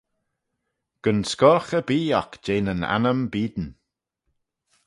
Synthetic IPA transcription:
ɡ̥ənskɔɹxəbiːɔkd͡ʒeːnəna̰nəmbiːd̪n̩

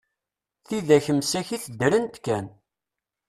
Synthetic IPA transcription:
θiðæçəmsæçiθəd̪ɾənt̪kːæn

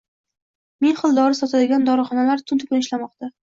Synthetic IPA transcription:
menχɨlˠd̪ɒɾɪsɒt̪ʰad̪ɪɡʲand̪ɒɾɨχɒnalaɾt̪ʰʊnt̪ʰʊkʊnɪʃlamɒqt̪a

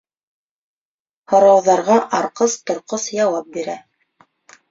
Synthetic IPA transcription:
hŏɾɑwðɑɾʁɑʔɑɾqɤst̪ŏɾqɤsjɑwɑp̚biɾæ

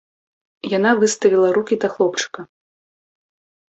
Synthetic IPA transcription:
jan̪avɨst̪ɐvʲilˠɐɾukʲid̪ɐxlˠɔpt͡ʂɨ̥kɐ

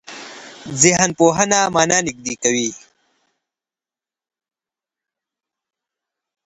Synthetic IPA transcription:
ziɦɐnpoːɦɐnaːmaːnaːnik̚d̪ikɐwiː

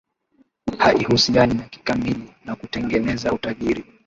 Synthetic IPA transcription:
haʔihusianinaki̥kamilinakutɛŋɡɛnɛzautaʄiɾi

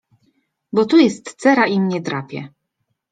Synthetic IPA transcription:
bɔt̪ujɛst̪sɛɾaʔimɲɛt̪ɾapʲjɛ̰

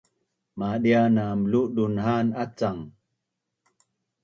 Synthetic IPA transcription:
maɗianaːmluʔɗunhanat͡saŋ

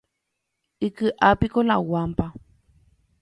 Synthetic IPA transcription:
ikɨʔapikolawampa

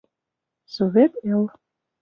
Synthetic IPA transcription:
sovʲet̪el

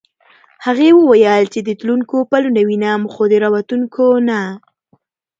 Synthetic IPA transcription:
haɣewəwajəlt͡ʃed̪ət̪luŋkopalunɖawinamxod̪əɾɑwat̪uŋkʰona

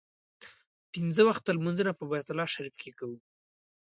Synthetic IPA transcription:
pinzəwaxt̪̚d̪əlmanzunapəbajat̪ʊlɑʃaɾifkekawu

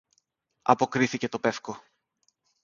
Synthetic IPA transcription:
ɐ̰po̞kɾiθice̞t̪o̞pe̞fko̞

